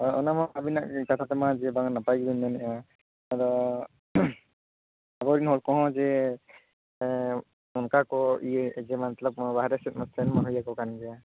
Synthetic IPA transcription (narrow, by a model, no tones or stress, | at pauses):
ɔɔnamɔabinaʔkat̪ʰatɛmazɛbaŋnapajɡibinːɛnɛʔa | aɾɔ | abɔɾinhɔlkɔɦɔ̃zɛ | ɔnkakɔizɛmanɛt̪lɔp̚baɦaɾɛsɛt̪̚mɔstʰɛnmanɦujakɔkanizia